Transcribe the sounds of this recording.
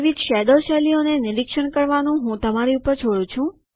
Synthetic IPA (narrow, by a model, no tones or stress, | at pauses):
ʋid̪ʃɛd̪oʃɛlionenɪɾikʃəɳkəɾʋanũɦũt̪əmaɾiupəɾt͡ʃʰoɽũt͡ʃʰũ